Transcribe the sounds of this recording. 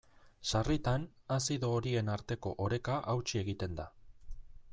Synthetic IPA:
sarit̪anasiðo̞ːɾie̞naɾt̪e̞ko̞ʔoɾe̞kaʔawt͡ʃie̞ɣ̞it̪e̞nd̪a

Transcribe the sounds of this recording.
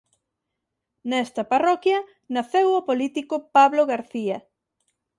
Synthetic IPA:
nɛst̪ɐparɔkjɐ | naθewopolit̪ikopaβloɣaɾθiɐ

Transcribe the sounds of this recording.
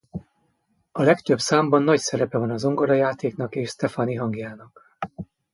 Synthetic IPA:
ɒlɛkt̪øbsaːmbɒnːɒcsɛɾɛpɛvɒnɒzo̞ŋɡoɾɒjaːt̪eːkn̪ɒkeːʃst̪ɛfɒniɦɒŋɡjaːnɒk

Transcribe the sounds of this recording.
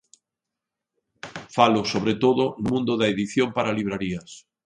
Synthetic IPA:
falʊsoβɾet̪oðʊnʊmũnd̪ʊðaeðiθjompaɾaliβɾaɾiɐs

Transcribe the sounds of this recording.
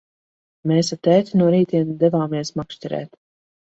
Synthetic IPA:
meːsat̪ɛːt̪ʲinuɔɾiːt̪iɛnd̪ɛvaːmiɛsmakʃt̪ʲɛɾɛ̰ːt̪

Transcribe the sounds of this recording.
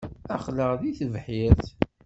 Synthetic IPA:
æχləʁðiθvħɪɾθ

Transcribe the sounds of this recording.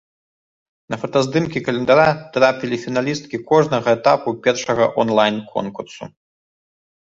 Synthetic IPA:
nɐfɐt̪ɐzd̪ɨmkʲikɐlʲɛnd̪aɾat̪ɾapʲilʲifʲinalʲist̪̚kʲikɔʐnɐɣɐɛt̪apupʲɛrʂɐɣɐ̰ʔɔnlˠajnkʰɔ̰nkursṵ

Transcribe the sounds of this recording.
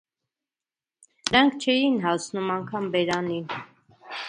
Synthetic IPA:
ɾɑŋkʰt͡ʃʰɛjinɦɑsnumɑŋkʰɑmbɛɾɑnin

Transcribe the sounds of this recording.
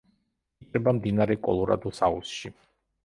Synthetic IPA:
kʼɾɛbamd̪inaɾɛkʼɔ̰lˠɔɾa̰d̪usausʃi

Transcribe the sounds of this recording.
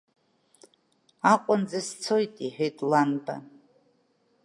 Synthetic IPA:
aqʷʼʊnd͡zast͡sʰojtʼiħᶣejtʼlanba̰

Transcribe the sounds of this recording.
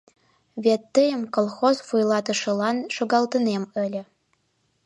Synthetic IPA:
βet̪ːəjə̆mkolˠxozfujlˠɑt̪ə̆ʃə̆lɑnʃoɣɑlt̪ə̆nemə̆lʲə̆

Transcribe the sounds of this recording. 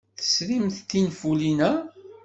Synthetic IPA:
θə̥sɾimθt̪ːinfulinæ

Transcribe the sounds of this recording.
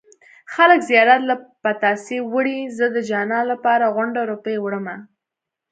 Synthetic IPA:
xaləkzjɑɾat̪lapat̪ɑsewəɽizəd̪əd͡ʒɑnɑlapɑɾaɣʊɳɖaɾopəjwɽəma

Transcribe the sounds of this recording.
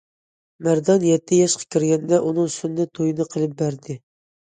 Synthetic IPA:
mæɾd̪ɑnjɛt̪ʰːɪjɛʃqʰɑ̥kʲʰiɾɡʲɛnd̪ɛʔunɨŋsunːɨt̪ʰojɨnɨqʰəlˠɪp̚bæɾd̪ɪ

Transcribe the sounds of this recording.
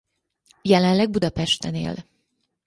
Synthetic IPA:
jɛlɛnlɛɡ̚bud̪ɒpɛʃt̪ɛnḛːl

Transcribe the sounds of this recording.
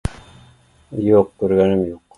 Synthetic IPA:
joq̚koɾɡænimjoq

